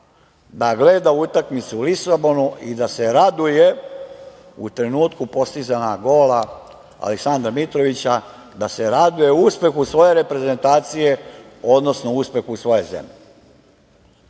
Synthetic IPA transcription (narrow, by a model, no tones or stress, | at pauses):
d̪aɡleːd̪aut̪akmit̪suulisabo̞nuid̪ase̞ɾad̪uje̞ | ut̪ɾe̞nuːt̪kupo̞st̪izanaɡo̞ːla | a̰leksand̪ɾamit̪ɾo̞ʋit͡ɕa | d̪aseɾad̪uje̞uspe̞xusʋo̞je̞ɾe̞pɾe̞ze̞nt̪aːt̪sije̞ | o̞d̪no̞snouspe̞xusʋo̞je̞zḛmʎi